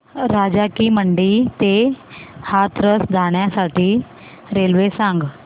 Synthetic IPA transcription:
ɾad͡ʑakiːməɳɖiːt̪e | hat̪ɾəsd͡zʱaɽ̃jasaʈiː | ɾelʋesãŋɡ

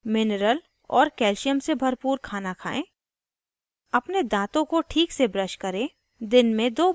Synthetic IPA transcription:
mɪnɾəl | ɔːɾkɛːlʃijəmsebʱɐɾpuːɾkʰaːnakʰaːẽː | ɐpned̪ãːt̪õkoʈʰiːksebɾəʃkɐɾẽ | d̪ɪnmẽd̪oː

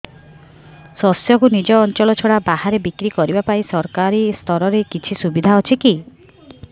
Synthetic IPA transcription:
sɔsjɔkunid͡ʒɔːnt͡ʃɔɭɔt͡ʃʰoɽabaɦaɾebikɾikɔɾibapaĩsɔɾkaɾist̪ʰɔɾɔɾekit͡ʃʰisubid̪ʱaɦɔt͡ʃʰiki

